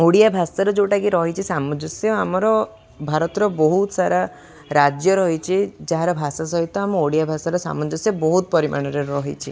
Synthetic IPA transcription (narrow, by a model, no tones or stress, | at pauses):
oɽijabʱasaɾɔd͡ʒewʈakiɾɔɦit͡ʃʰisamɔd͡ʒɔsjɔamɔɾɔ | bʱaɾɔt̪ɔɾɔbɔɦut̪ɔsaɾa | ɾad͡ʒjɔɾɔɦit͡ʃʰid͡ʒaɦaɾɔbʱasas̬ɔɦit̪ɔamuoɽijabʱasaɾɔsa̰mɔd͡ʒɔsjɔbɔɦut̪ɔpɔɾimʔa̰ɽ̃ɔɾeɾɔɦit͡ʃʰi